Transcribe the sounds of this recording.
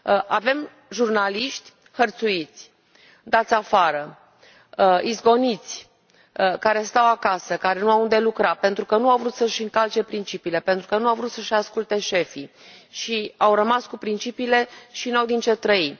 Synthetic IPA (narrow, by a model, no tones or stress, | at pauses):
ʔave̞m | ʒurnaliʃt̪ʲ | xərt̪suit̪sʲ | d̪at̪sʲafaɾə | izɡo̞nit̪sʲ | kaɾe̞st̪awakasəkaɾe̞nuawund̪e̞lukɾape̞nt̪ɾukənuawvɾut̪səʃɨŋkalt͡ʃe̞pɾint͡ʃipiːle̞pent̪ɾukənuawvɾut̪səʃaskult̪e̞ʃe̞fi | ʃiawɾəmaskupɾint͡ʃipiːle̞ʃinawd̪int͡ʃe̞t̪ɾəi